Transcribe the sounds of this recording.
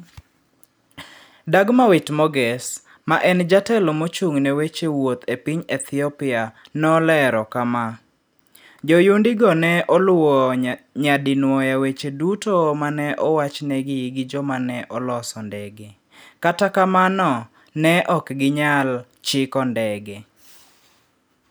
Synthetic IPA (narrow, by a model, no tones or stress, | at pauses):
daɡmawɪtmɔɡɛs | maʔɛnd͡ʒatɛlomot͡ʃuŋnɛwet͡ʃewot̪epiɲɛt̪ʰɪɔpɪa | nɔlɛɾɔkama | d͡ʒɔjundɪɡɔnɛʔɔlɔɲadinwɔjawet͡ʃedutomanɛʔɔwat͡ʃnɛɡɪɡɪd͡ʒɔmanɛʔɔlɔsɔndɛɡe | katakamanɔ | nɛʔɔkɡɪɲal | t͡ʃɪkɔndɛɡe